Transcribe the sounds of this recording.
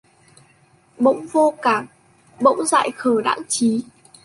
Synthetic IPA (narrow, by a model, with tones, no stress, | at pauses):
ɓə̰˧˥wŋ͡mvo˧kaː˧˩ŋ | ɓə̰˧˥wŋ͡mza̰ː˧˨jxəː˧˩ɗa̰ː˧˥nt͡ɕi˨˦